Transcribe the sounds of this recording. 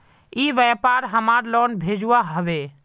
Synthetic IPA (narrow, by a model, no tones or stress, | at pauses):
iːʋɛpaːɾɦəmaːɾlɔːnbʱeːd͡ʒuaɦəʋe